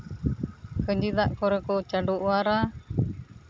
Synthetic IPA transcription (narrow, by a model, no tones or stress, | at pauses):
kəɲd͡ʒid̪aʔkɔɾɛkɔt͡ʃaɖuʔwaɾa